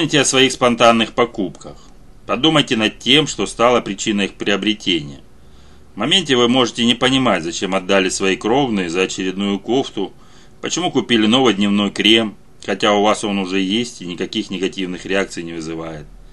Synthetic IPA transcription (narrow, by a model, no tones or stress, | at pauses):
pomnʲɪtʲɪɐsvɐixspɐnt̪anːɨxpɐkupkəx | pɐd̪uməjtʲɪnɐtʲe̞mʂt̪o̞st̪alˠəpɾʲɪt͡ɕinəjixpɾʲɪəbɾʲɪtʲenʲɪjə | mɐmʲenʲtʲɪvɨmo̞ʐɨtʲɪnʲɪpənʲɪmatʲzɐt͡ɕe̞mɐd̪ːalʲɪsvɐikɾo̞vnɨjəzəɐt͡ɕɪɾʲɪd̪nujʊko̞ft̪ʊ | pət͡ɕɪmukʊpʲilʲɪno̞vɨjd̪ʲnʲɪvno̞jkɾʲe̞m | xɐtʲaʊvaso̞nʊʐɛjesʲtʲɪnʲɪkɐkʲixnʲɪɡɐtʲivnɨxɾʲɪak̚t̪sɨjnʲɪvɨzɨvajɪt̪̚